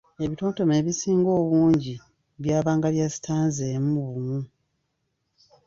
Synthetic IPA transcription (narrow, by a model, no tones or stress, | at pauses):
e̞βito̞ːnto̞meːβisiːŋɡo̞ːβuːɲɟi | βjaːβaːŋɡaljasi̥tʰaːnzeːmuβumu